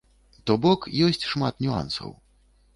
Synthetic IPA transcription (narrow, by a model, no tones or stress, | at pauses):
t̪ɔbɔkjɔsʲt͡sʲʂmat̪nʲua̰nsɐ̰w